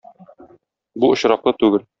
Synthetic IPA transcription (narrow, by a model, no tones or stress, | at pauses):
buŏɕɾɑqlˠɤt̪ʉɡɘl